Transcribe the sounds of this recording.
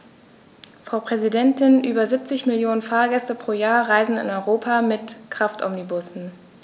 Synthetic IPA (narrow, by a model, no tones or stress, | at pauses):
fʁ̥aʊpʁ̥ɛzidɛntɪnʔyːbɐzip̚t͡sɪçmɪljoːnənfaːɐɡɛstəpʁ̥oːjaːɐʁaɪzn̩ɪ̰nɔʏʁoːpʰamɪtkʁ̥aftʰʔɔ̰mnibʊsn̩